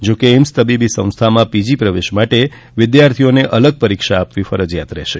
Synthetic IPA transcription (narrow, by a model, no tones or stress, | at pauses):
d͡ʒokeɪmst̪əbibisə̃w̃st̪ʰamãpid͡ʒipɾəʋeʃmaʈe | ʋɪd̪jaɾt̪ʰijoneʔələɡ̚pəɾikʃaːpʋifəɾəd͡ʒjat̪ɾɛ̰ʃe